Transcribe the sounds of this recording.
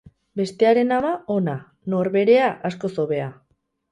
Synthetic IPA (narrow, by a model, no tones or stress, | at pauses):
be̞st̪e̞aɾe̞namao̞na | no̞ɾβe̞ɾe̞aʔasko̞so̞βe̞a